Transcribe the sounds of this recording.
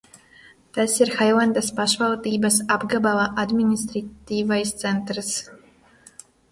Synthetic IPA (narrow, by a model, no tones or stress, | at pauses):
t̪asiɾxajlˠand̪aspaʃvalˠd̪iːbasabɡabavaʔad̪mʲinʲist̪ɾat̪iːvajst̪sɛnt̪ɾɨs